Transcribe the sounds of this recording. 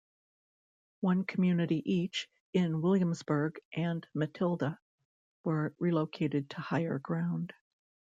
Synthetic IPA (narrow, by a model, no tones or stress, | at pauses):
wʌ̃nkʰəm̩jʉnɨɾiʔit͡ʃ | ɪ̃nwɪlˠjɨ̃mzbə˞ɡʔɨ̃nmɨtʰɪlˠdə | wə˞ɹiloʊkʰeɪɾɨd̚tʰəhaɪə̰˞ɡɹãʊ̃nd̥